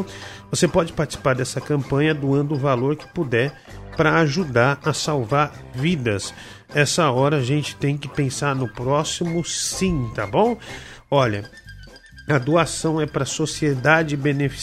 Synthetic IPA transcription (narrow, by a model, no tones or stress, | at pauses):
vosepɔd͡ʒɪpaɾt͡ʃi̥si̥paɾd̪ɛsɐkɐ̃mpɐ̃ɲɐd̪uɐ̃nd̪ʊʊvaloɾkɪ̥pud̪ɛ | pɾɐaʒud̪aɾɐsawvaɾ | vid̪ɐs | ɛsɐɔɾɐːʒẽnt͡ʃɪ̥t̪ẽj̃kɪpẽsaɾnʊpɾɔsimʊsĩt̪abõw̃ɔʎɐ | ɐd̪uasɐ̃w̃ɛpɾɐsosied̪ad͡ʒɪbenefi̥